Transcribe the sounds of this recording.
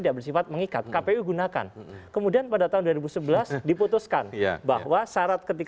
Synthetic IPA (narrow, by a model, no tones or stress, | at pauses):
idaʔbərsifat̪̚məŋikat̪̚kapeuɡunaka̰nkəmudianpadat̪aɦunduaɾibusəbəlasdiput̪uskanba̰hwasaɾat̪̚kət̪ik